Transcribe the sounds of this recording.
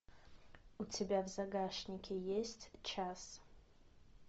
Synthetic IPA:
utʰebʲavzaɡaʃnʲikʲʰejesʲtʰt͡ʃʰas

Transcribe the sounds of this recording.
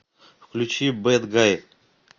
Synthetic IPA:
fklʲʉt͡ɕibɛd̪ɡaj̪

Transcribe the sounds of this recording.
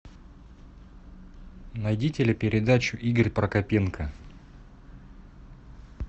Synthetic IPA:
nɐjdʲitʲɪlʲɪpʲɪɾʲɪd̪at͡ɕʊʔiɡərʲpɾəkɐpʲenkə

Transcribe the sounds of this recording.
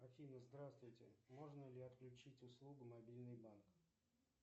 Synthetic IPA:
ɐfʲinəzd̪ɾast̪vʊjtʲɪ̰mo̞ʐnəlʲɪɐt̪klʲʉt͡ɕitʲʊslˠuɡʊmɐbʲilʲnɨjbank

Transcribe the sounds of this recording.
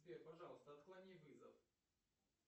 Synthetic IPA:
vʲerpɐʐɑlˠəst̪əɐt̪klˠɐnʲivɨzəf

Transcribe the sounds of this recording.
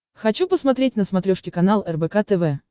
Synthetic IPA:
xɐt͡ɕupəsmɐt̪ɾʲetʲnəsmɐt̪ɾʲoʂkʲɪkɐnalˠɛrbɛkat̪ɛvɛ

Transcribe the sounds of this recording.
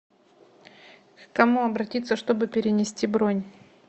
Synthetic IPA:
kɐmuɐbɾɐtʲit̪sːəʂt̪o̞bɨpʲɪɾʲɪnʲɪsʲtʲibɾonʲ

